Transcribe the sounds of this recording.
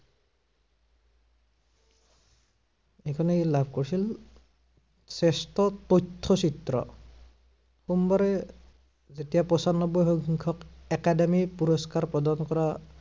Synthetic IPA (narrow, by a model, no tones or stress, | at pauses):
ejkʰɔnelabʱkoɹisil | sɛstɔtotʰːɔsitɹɔ̰ | xumbaɹɛ | zetijapɔsanːɔbɔjxɔŋɡiŋkʰɔkɛkademipuɹɔskaɹpɹɔdankɔɹa